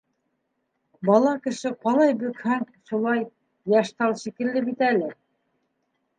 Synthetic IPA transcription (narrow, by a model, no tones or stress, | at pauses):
bɑlˠɑkɘ̆ʃɘqɑlˠɑjbɵ̆khæŋʃulˠɑj | jæʃt̪ɑlˠʃikɘ̆lːɘbit̪ælɘ